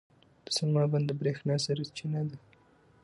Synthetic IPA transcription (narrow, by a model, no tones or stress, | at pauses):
d̪̥ə̥samɑband̪əbɾexnɑsaɾat͡ʃinad̪a